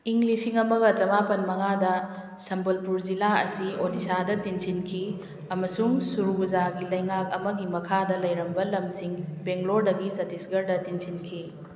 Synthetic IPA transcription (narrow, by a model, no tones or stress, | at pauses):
iŋlisiŋɐmɐɡɐt͡ʃɐmapɐnmɐŋadɐ | sɐmbɐlpuɾd͡ʒilaɐ̰siodisadɐtinsinkʰi | ɐmɐsuŋsuɾubuzaɡilɐjŋak̚ɐ̰mɐɡimɐkʰadɐlɐjɾɐmbɐlɐmsiŋbeŋɡloɾdɐɡisɐtisɡɐɾdɐtinsinkʰi